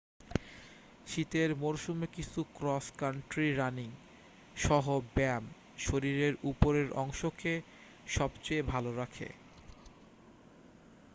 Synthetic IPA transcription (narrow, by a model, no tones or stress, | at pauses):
ʃit̪eɾmoɾʃumekit͡ɕʰukɾɔskaɳʈɾiɾaniŋ | ʃɔɦobɛm | ʃoɾiɾeɾupoɾeɾɔ̰ŋʃoke | ʃɔbt͡ɕejbʱaloɾakʰḛ